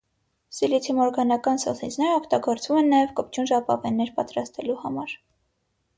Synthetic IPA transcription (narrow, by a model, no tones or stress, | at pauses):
silit̪ʰimɔɾɡɑnɑkɑnsɔ̰t̪ʰind͡znɛɾɔkt̪ɑɡɔɾt͡svumɛnːɑjɛvkɔp̚ʰt͡ʃʰunʒɑpɑ̰vɛnːɛɾpɑt̪ɾɑst̪ɛluhɑmɑɾ